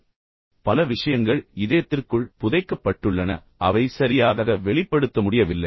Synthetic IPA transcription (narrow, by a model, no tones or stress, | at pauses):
pɐlɐʋɪʂɐjɐŋɡɐɭɪðɐjɐt̪ːɪrkɯɭpʊðɐɪkːɐpːɐʈːɯɭːɐnɐ̰ | ʔɐʋɐɪsɐɾɪjaːðɐɣɐʋɛɭɪpːɐɽɯt̪ːɐmʊɽɪjɐʋɪlːɐɪ